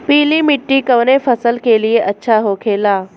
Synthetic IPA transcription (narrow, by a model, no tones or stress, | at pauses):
piːlimɪʈːikɐʋnefɐsəlkelieʔɐtːʃʰaɦoːkʰeːlaː